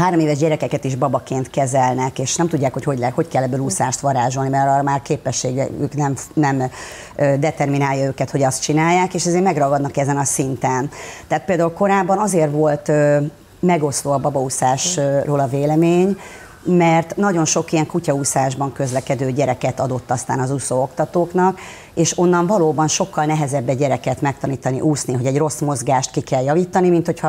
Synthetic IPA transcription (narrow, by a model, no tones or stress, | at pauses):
ɦaːɾo̞meːvɛʒɟɛɾɛkɛkɛt̪iʒbɒbɒkeːnt̪kɛzɛlnɛkeːʃnɛmt̪uɟːaːkho̞cho̞ɟlho̞ckɛlːɛbːøːlusaːʃt̪ʋɒɾaːʒo̞lnimɛɾɒmaːrkeːpɛʃːeːɡɛ̰y̰knɛmnɛm | øːd̪ɛt̪ɛrminaːjɒøːkɛt̪ho̞ɟɒst̪̚t͡ʃinaːjːaːkeːʃɛzeːrmɛɡrɒɡɒd̪nɒkɛzɛnɒsint̪ɛnt̪ɛaːt̪̚peːld̪aːulko̞ɾaːbːɒnɒzeːrvo̞lt̪ø | mɛɡo̞sloːɒbɒbɒusaːʃroːlɒveːlɛmeːɲ | mɛrt̪nɒɟo̞nʃo̞kijɛŋkucɒuːsaːʒbɒŋkø̞zlɛkɛd̪øːɟɛɾɛkɛt̪ɒd̪o̞t̪ːɒst̪aːnɒzusoːo̞kt̪ɒt̪oːknɒk | eːʃo̞nːɒɱvɒloːbɒnʃo̞kːɒlnɛɦɛzɛbːɛɟɛɾɛkɛt̪mɛk̚t̪ɒniːt̪ɒnḭʔuːsniɦo̞ɟɛɟro̞smo̞zɡaːʃt̪kikɛljɒviːt̪ɒnimint̪ho̞cʰɒ